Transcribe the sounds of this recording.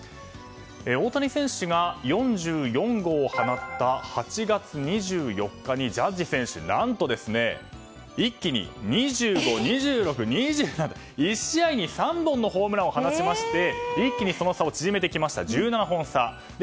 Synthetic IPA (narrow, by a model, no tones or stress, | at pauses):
eo̞ːt̪aɲisẽ̞ɰ̃ɕɨɡajõ̞ɲ̟d͡ʑɨːjõ̞ŋɡo̞ːhanat̪ːahat͡ɕiɡat͡sɨɲ̟iʑɨːjo̞kːaɲ̟id͡ʑad͡ʑisẽ̞ɰ̃ɕɨ̰nãnt̪o̞d̪e̞sɨne̞̰ | ikʲːiɲ̟ḭɲ̟iʑɨːɡo̞ɲ̟iʑɨːɾo̞kɯ̟ɲ̟iʑɨːnaa | iɕiaiɲ̟isãmbõ̞nːo̞ɦo̞ːmɯ̟ɾao̞hanaɕimaɕi̥t̪e̞ikʲːiɲ̟iso̞no̞sao̞t͡ɕiʑime̞t̪e̞kʲimaɕi̥t̪a̰d͡ʑɨːnanaɦõ̞ɰ̃sa | d̪e